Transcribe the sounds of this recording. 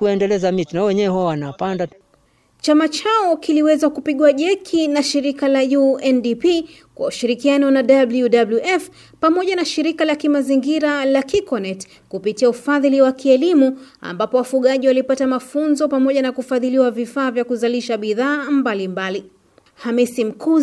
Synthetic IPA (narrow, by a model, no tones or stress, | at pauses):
kuɛndɛlɛzamitinawɛɲɛwɛɦɔwanapanda | t͡ʃamat͡ʃaɔkiliwɛzakupiɠuaʄɛkʰinaʃiɾikalajuɛndipi | kwa̰uʃiɾikianɔnaɗabljudabluʔɛf | pamɔʄanaʃiɾikalakimaziŋɡiɾalakikɔnɛt | kupitiaufaðiliwakiɛlimua̰mbapɔwafuɠaʄiwalipatamafunzɔpamɔʄanakufaðiliwavifaːvjakuzaliʃaɓiðaːmbalimbali | hamisim̩ku